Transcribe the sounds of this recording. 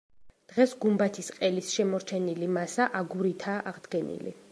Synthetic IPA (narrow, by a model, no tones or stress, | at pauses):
d̪̥ʁɛsɡumbat̪ʰisqʼɛlisʃɛmɔɾt͡ʃʰɛnilimasaʔaɡuɾit̪ʰaːʔaʁd̪ɡɛnḭlḭ